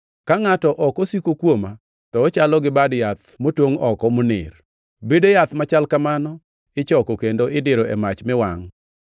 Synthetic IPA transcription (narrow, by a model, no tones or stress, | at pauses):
kaŋatɔʔɔkɔsikokwoma | tɔːt͡ʃalɔɡɪbadjat̪̚ | motwoŋɔkɔmʊnɪ̰r | bedejat̪mat͡ʃalkamanɔ | ɪt͡ʃɔkokendoʔɪdɪɾoʔɛ̰mat͡ʃmɪwaŋ